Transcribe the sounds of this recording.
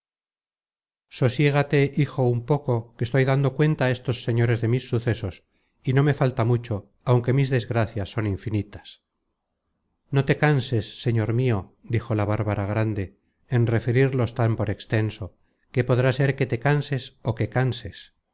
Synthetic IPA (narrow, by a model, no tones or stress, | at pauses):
so̞sje̞ɣ̞at̪e̞ʔixo̞umpo̞ko̞kest̪o̞jðand̪o̞kwe̞nt̪aest̪o̞sːe̞ɲo̞ɾe̞zðe̞misːuθe̞so̞s | ino̞me̞falt̪amut͡ʃo̞ | awŋke̞mizðe̞zɣɾaθjasːo̞niɱfinit̪ḁs | no̞t̪e̞kanse̞sːe̞ɲo̞ɾmio̞d̪ixo̞laβ̞aɾβaɾaɣ̞ɾand̪e̞ | enre̞feɾiɾlo̞st̪ampo̞ɾe̞kst̪e̞nso̞ | ke̞po̞ðɾase̞ɾke̞t̪e̞kanse̞soke̞kanse̞s